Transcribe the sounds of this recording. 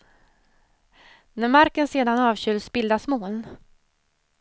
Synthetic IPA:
næɾmaɾkənseːd̪anɑːvɕʏlsbɪld̪asmoːn

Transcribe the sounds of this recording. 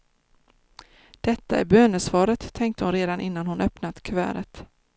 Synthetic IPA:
d̪̥ɛt̪ːaæ̰ɾbøːnəsvɑːɾət̪ʰːɛŋk̚t̪əhʊnɾeːd̪anʔɪnːanhʊnœpnat̪kʰvæ̰ːɾət̪

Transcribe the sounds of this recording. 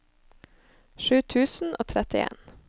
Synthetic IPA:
ʃʉːt̪ʰʉːsn̩ʔo̰ːt̪ʰɾɛt̪ɪḛːn

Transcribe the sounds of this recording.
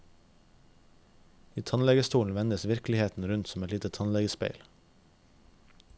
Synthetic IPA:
iːt̪ʰɑnlɛɡəst̪uːln̩ʋɛnd̪əsʋɪɾklɪheːt̪n̩ɾʉnt̪sɔmɛt̪liːt̪ət̪ʰɑnlɛɡəspḛɪl

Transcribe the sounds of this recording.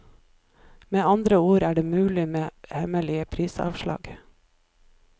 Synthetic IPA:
meːɑnd̪ɾəuːɾæːɖeːmʉːlɪmeːhɛməlɪəpʰɾiːsɑ̰ːʋʃlɑ̰ːɡ

